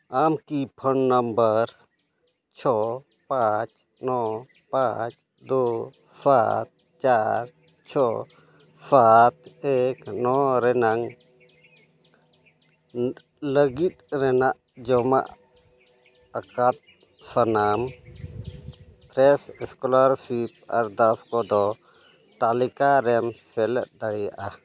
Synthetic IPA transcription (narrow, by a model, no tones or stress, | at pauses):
amkipʰɔnːəmbəɾ | t͡ʃʰɔ | pat͡ʃ | nɔ | pãt͡ʃ | d̪o | sa̰t̪̚ | t͡ʃaɾ | t͡ʃʰɔ | sat̪ɛknɔɾɛnaŋ | ləɡit̪̚ɾɛnaʔ | d͡ʒɔma̰ʔ | akat̪̚ | sanam | pɾɛsɛskɔlaɾsip̚aɾd̪askɔd̪ɔ | t̪alikaɾɛmsɛlɛʔ̪̚d̪aɽɛja̰ʔa